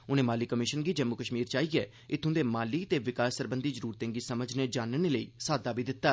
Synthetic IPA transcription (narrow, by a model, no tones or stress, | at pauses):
ʊnẽːmaːliːkəmɪʃənɡiːd͡ʒəmukəʃmiːɾt͡ʃaːiːɛː | ɪt̪ʰːʊ̃ːd̪eːmaːliːt̪eːʋɪkaːsːəɾbənd̪iːzəɾuːɾt̪ẽːɡiːsəməd͡ʒneːd͡ʒaːnəneːləḭːsaːd̪aːbiːd̪ɪt̪ːaː